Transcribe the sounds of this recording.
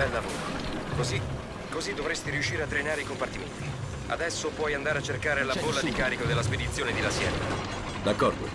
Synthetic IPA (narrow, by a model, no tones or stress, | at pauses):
ɛlːavoːɾokozi | kːozid̪ːovɾest̪iɾiuʃːiːɾeat̪ːɾenaːɾeikompart̪iment̪i | a̰d̪ɛsːopwɔjand̪aːɾeat͡ʃːerkaːɾelabolːad̪ikaːɾikod̪elːasped̪it̪sːjoːned̪ilasjɛnːa̰ | d̪akːɔrd̪o̰